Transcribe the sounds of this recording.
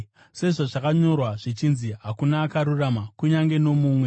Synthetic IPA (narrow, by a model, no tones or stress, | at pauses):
se̞ʐoʐakaɲo̞rwaʐit͡ʃinziɦakunaːkaɾuramakuɲaŋɡe̞no̞muːmwe̞